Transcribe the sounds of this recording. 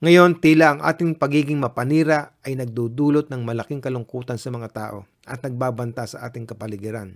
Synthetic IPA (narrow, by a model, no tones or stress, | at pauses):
ŋɐjo̞nt̪ilaʔɐŋʔa̰ːt̪ɪŋpɐɡiːɡɪŋmɐpɐniːɾɐʔɐjnɐɡ̚d̪uːd̪uːlot̪̚nɐŋmɐlɐkɪŋkɐlʊŋkuːt̪ɐnsɐmɐŋat̪a̰ːʔo̞̰ | ʔɐt̪̚nɐɡ̚baːbɐnt̪asɐʔaːt̪ɪŋkɐpɐlɪɡɪɾan